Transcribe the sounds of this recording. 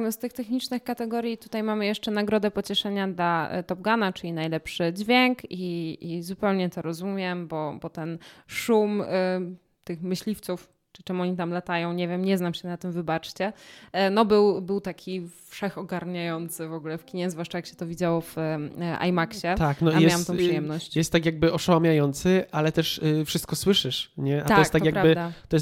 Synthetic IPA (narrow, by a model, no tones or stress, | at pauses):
nst̪ɘxt̪ɛxɲit͡ʂnɘxkat̪ɛɡɔɾʲjit̪ut̪ajmamɘjɛʂt͡ʂɛnaɡɾɔd̪ɛpɔt͡ɕɛʂɛɲad̪la̰t̪ɔb̚ɡanat͡ʂɘlʲinajlɛpʂɘd͡ʑvʲjɛŋkiʔizupɛwɲɛt̪ɔɾɔzumʲjɛmbɔbɔt̪ɛnʂum | t̪ɘxmɘɕlʲift̪suf | ʈ͡ʂɨt͡ʂɛmɔɲit̪amlat̪ajɔ̃w̃ɲɛvʲjɛmɲɛznamɕɛnat̪ɘmvɘbat͡ʂt͡ɕɛnɔbɘwbɘwt̪akʲʰifʂɛxɔɡaɾɲajɔnt̪sɘvɔɡulɛfkʲiɲɛzvwaʂt͡ʂajakɕɛ̥t̪ɔvʲid͡ʑawɔv̥a̰jmakɕɛt̪aknɔamjɛawamt̪ɔ̃ʂɨjɛmnɔɕt͡ɕjɛst̪ːakjaɡ̚bɘɔʂawamʲjajɔnt̪sɘʔalɛt̪ɛʂfʂɨst̪̚kɔswɘʂɘʂɲɛʔat̪ɔjk̪t̪ːatɔkjapɡɾabd̪at̪ɔjɛs